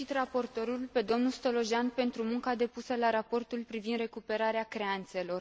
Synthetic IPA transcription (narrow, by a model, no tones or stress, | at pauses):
it̪rapo̞rt̪o̞ɾulpe̞d̪o̞mnulst̪o̞lo̞ʒanpe̞nt̪ɾumuŋkad̪e̞pusəlaɾapo̞rt̪ulpɾivind̪re̞kupe̞ɾaɾeakɾe̞ant̪se̞lo̞r